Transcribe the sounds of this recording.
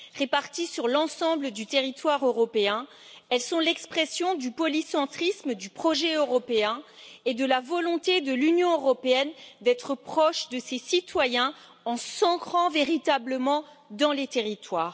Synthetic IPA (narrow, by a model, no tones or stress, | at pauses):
ʁepaʁt̪isyʁlɑ̃sɑ̃bləd̪yt̪eʁit̪waʁøʁɔpeɛ̃ | ɛlsɔ̃lɛkspχɛsjɔ̃d̪ypɔlisɑ̃t̪χisməd̪ypχɔʒɛøʁɔpeɛ̃ | ed̪əlavɔlɔ̃t̪ed̪əlynjɔ̃øʁɔpeɛnd̪ɛt̪χəpχɔʃd̪əsesit̪wajɛ̃ | ɑ̃sɑ̃kχɑ̃veʁit̪abləmɑ̃ | d̪ɑ̃let̪eʁit̪waːʁ